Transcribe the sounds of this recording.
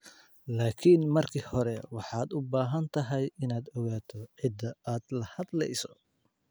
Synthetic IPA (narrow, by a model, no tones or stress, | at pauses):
laːkʰiːnmɐrkʰiːhɔɾɛwɑħɑːd̪ʊbaːɦɐnt̪ʰɐɦɛjɪnaːd̪ɔɣaːt̪ʰɔʕɪd̪ːɐaːd̪lɐhɐd̪lɛ̰jsɔ